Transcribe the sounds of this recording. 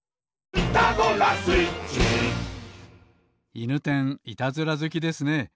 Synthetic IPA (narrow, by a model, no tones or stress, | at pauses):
it̪aɡ̪oɾasɨit͡ɕi | inɯt̪ẽ̞ŋit̪azɨɾazɨkʲid̪e̞sɨne̞